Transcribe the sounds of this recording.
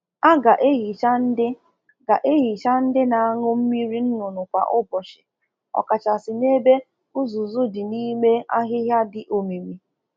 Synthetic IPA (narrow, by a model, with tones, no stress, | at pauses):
a˦ɡa˨ʔe˦ɦi˨t͡ʃa˦n̩˦dɪ˦ | ɡa˨ʔe˦ɦi˨t͡ʃa˦n̩˦dɪ˦na˨a˦ŋʊ˦m̩˦mi˦ɾi˦n̩˦nʊ˨nʊ˨kʷa̰˨ʔʊ˦bɔ˨ʃɪ̥˨ | ɔ̰˨ka˨t͡ʃa˨sɪ˨ne˦be˦ | ʊ˦zʊ˨zʊ˦dɪ˨ni˦me˦a˦ɦɪ˦ɦja˦dɪ˨ʔo˨mi˨mi˨